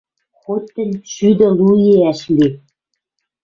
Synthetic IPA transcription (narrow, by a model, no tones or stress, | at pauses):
χot̪ʲːɘ̆nʲʃyd̪ɘ̆lˠujeæʃlʲi